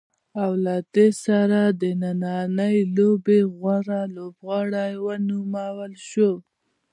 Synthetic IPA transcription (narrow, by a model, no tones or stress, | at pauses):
awlɑt̪esaɾad̪ənanɑnəjlobeɣwaɾalobɣɑɽajwənumawəlʃo